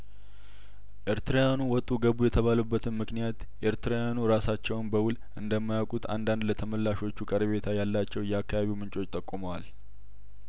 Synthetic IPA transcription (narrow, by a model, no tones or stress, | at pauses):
ʔeɾt̪ɾajanuwɔt̪ʼːuɡəbujɛt̪ʰəβalubːət̪ʰɨnmɨknijat̪ | ʔeɾt̪ʰɾajanuɾasat͡ʃːɛwnbəwʊl | ʔɨnd̪əmːajawkʼut̪ʰa̰nd̪and̪lət̪ʰəməlːaʃo̞t͡ʃːukʼəɾβe̞t̪ʰajalːat͡ʃːɛwjɛakːaβaβiwmɨnt͡ʃʼo̞t͡ʃːt̪ʼəkʼːuməwal